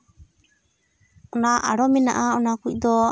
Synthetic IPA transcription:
ɔnaʔa̰ɾɔmina̰ʔaɔnakuid̪ɔ

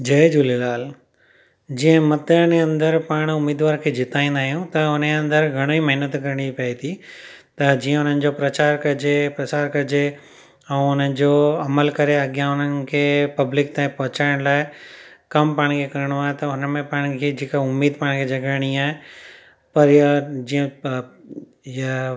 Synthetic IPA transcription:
d͡ʑɐed͡ʑulelaːl | d͡ʑiə̃mɐt̪əɽ̃eɐ̃nd̪əɾpaːɽ̃ʊmːiːd̪ʋaːɾkʰeːd͡ʑɪt̪aːĩːnd̪aːɦijũt̪ɐʊneɐ̃nd̪əɾɡʱɐɽ̃oːimɐɦɪnət̪kɐɾəɽ̃ipɐit̪ʰi | t̪ɐd͡ʑiːə̃ʊn̤ənɪ̆d͡ʑopɾɐt͡ɕaːɾkɐd͡ʑepɾɐsaːɾkɐɾd͡ʑe | ɛ̃ːʊn̤əɪ̆d͡ʑoːɐməlkɐɾeɐɡjãʊn̤ənɪ̆kʰepɐblɪk̚t̪ãːpɔɦʊt͡ɕaːɪɽ̃laːɪ | kɐmpaːɽ̃kʰekɐɾəɽ̃oaːet̪ɐʊnəmẽpaːɽ̃kʰed͡ʑɪkaʊmːiːd̪̚paːɽ̃kʰed͡ʑɐɡaːɽ̃iaːɦe | pɐɾd͡ʑiə̃ | ja

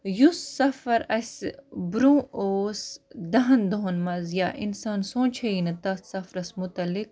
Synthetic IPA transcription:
jusːɐfɐɾɐsbɾũːoːsd̪ɐɦɐnd̪oɦonmɐzjaʔḭnsaːnsõːt͡ʃʰɐinɐt̪ɐssɐfɾɐsmʊt̪ɐlik̚

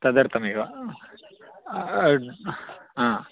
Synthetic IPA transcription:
t̪ɐd̪ɐɾt̪ʰɐmeʋa | ã

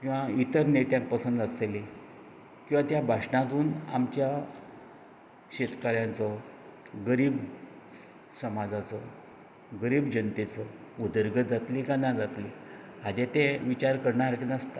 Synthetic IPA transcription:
kĩw̃ʋait̪əɾnet̪jãŋk̚pəsənd̪əseli | kĩwʋãt̪jabʱaʂɳãt̪̬uːna̰mt͡ɕja | ɕet̪kaɾjãnt͡sɔ | ɡəɾiːb | səmad͡zat͡sɔ | ɡəɾiːbd͡ʑənt̪et͡sɔud̪əɾɡəd͡zat̪likanad͡zat̪li | ad͡ʑet̪ẽʋit͡ɕaɾkəɾɳaɾkinast̪a

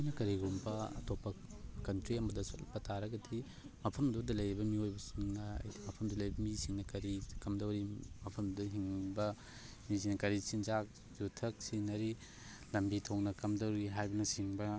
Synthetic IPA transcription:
jnɐkɐɾiɡumbɐɐ̰tʰopːɐkɐntɾiɐmbɐdɐsotlɐpːɐtʰaɾɐɡɐdʰi | mɐpʰɐmɐdudɐlɐjɾibɐmiojbɐsunnɐɐ̰jdimɐpʰɐmdulɐjbɐmisiŋnɐkɐɾikɐmdɐwɾimɐpʰɐmddɐɦiŋbɐ | misiŋnɐkɐɾisinzak̚ | z̥utʰɐk̚sinɐɾi | lɐmbitʰoŋnɐkɐmdɐwɾiɦajbɐnɐsiŋbɐ

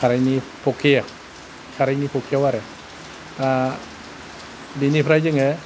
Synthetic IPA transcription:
kʰaɾajnipʰokʰia | kʰaɾajnipʰokʰiəwaɾe | t̪a | dinipʰɾajd͡ʒɯŋe

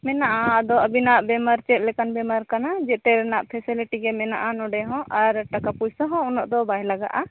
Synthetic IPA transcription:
mɛnaʔad̪ɔəbinaʔbɛmaɾt͡ʃɛt̪̚ˀlɛkanbɛmaɾkanad͡ʒɛt̪ɛɾnaʔpʰɛsiliʈiɡɛmɛna̰ʔanɔɖɛɦɔ̃ʔaɾʈakapujsɔɦɔ̃unɔʔd̪ɔbaɦjlaɡa̰ʔa

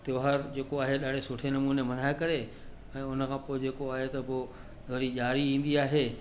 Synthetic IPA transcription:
t̪joːɦəɾd͡ʑeːkoaːɦeɗaːɽ̤ʱesʊʈʰenɐmũːnemɐn̤aːekɐɾe | ɛ̃ːʊnəkʰãːpoːed͡ʑeːkoaːɦet̪ɐbo | oɾiʄaːɾiĩːn̆d̪iaːɦeː

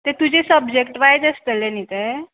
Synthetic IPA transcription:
t̪et̪ud͡ʑesəbd͡ʑekʈʋajd͡zəst̪əlenit̪e

